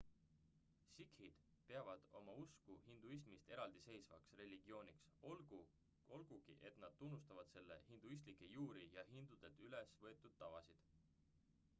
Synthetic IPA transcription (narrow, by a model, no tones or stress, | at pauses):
sikhid̪̥ | pe̞ɑvɑd̪̥o̞̰mɑuskuhind̪uis̬mist̪e̞ɾɑld̪̥ise̞jsvɑ̰ksre̞lʲiɡ̥io̞ːniksolɡu | o̞lɡ̥uɡ̥ḭʔe̞t̪ˑnɑd̪̥̚t̪unːust̪ɑvɑd̪̥se̞lːe̞̰hind̪̥uis̬t̪likːˑe̞juːɾijɑɦind̪̥ud̪̥e̞lt̪yle̞svɤ̞et̪ːˑud̪̥̚t̪ːɑvɑsid̪̥